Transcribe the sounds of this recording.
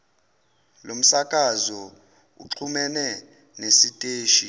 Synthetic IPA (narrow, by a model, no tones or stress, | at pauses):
lom̩sakʼazɔ | ṵǃʰumɛnɛ | nesitʼeːʃi